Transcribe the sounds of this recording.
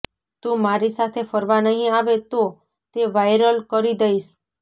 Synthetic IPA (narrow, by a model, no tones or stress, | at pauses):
t̪ũmaɾisat̪ʰefəɾʋanəɦĩaʋet̪o | t̪eʋajɾəlkəɾid̪əiʃ